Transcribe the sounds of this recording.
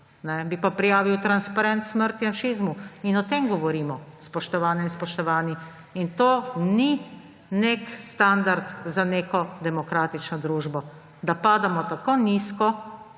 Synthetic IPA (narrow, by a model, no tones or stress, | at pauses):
nɛbipapɾijaːʋiwt̪ɾanspaɾɛnt̪sməɾt̪iaʃizmuinɔt̪eːmɡɔʋɔɾiːmɔspɔʃt̪ɔʋaːnɛinspɔʃt̪ɔʋaːni | int̪oːni | nekst̪and̪aɾt̪zaneːkɔd̪ɛmɔkɾaːt̪it͡ʃnɔd̪ɾuːʒbɔ | d̪apaːd̪amɔt̪akoniskɔ